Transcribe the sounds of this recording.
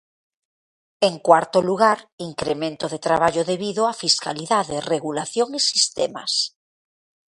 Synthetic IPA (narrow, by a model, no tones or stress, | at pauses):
eŋkwaɾt̪oluɣaɾiŋkɾemẽnt̪oðet̪ɾaβaʎoðeβiðoafiska̰liðaðereɣulaθjoŋesist̪ema̰s